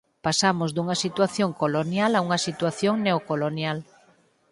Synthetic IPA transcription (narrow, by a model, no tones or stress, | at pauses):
pasamozðuŋɐsit̪waθjoŋkolonjalauŋɐsit̪waθjoŋneokolonjal